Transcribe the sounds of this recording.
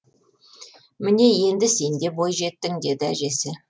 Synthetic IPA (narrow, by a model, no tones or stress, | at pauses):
mɪne̞je̞nd̪ɪse̞nd̪e̞bo̞jʒe̞t̪ːɪŋd̪e̞d̪ɪæʒe̞sɪ